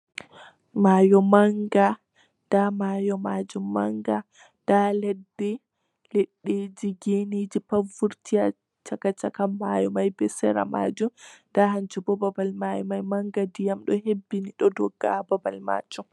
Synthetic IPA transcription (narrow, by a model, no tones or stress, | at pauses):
majɔmaŋɡa | damajɔmad͡ʒumːaŋɡa | dalɛdːɛ | leɗːed͡ʒiɡenid͡ʒipavuɾtija | t͡ʃakat͡ʃakamːajɔmajbɛsɛɾa̰ma̰ːd͡ʒumndaɦant͡ʃubɔbabalmajɔmajmaŋɡadijamɗɔhebːiniɗɔdɔɡːababalma̰ːd͡ʒum